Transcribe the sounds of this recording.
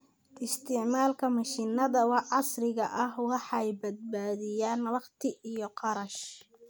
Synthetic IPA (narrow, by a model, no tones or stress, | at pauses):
ʔɪst̪ʰɪʕmaːlkʰɐmɐʃinɐðɐwɑɑsrɪɣɐʔɐhwɑħɑjbɐd̪̚baːðɪjaːnɐβɑχt̪ʰɪʔijɞqɑɾɐʃ